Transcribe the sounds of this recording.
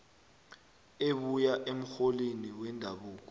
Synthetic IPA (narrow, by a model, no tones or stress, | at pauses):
eɓujaʔem̩xoliniwɛndʱaɓuːk̬ɔ